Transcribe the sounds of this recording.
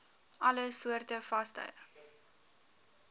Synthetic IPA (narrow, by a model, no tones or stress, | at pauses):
ʔɐləsuərtəfɐstœ̰j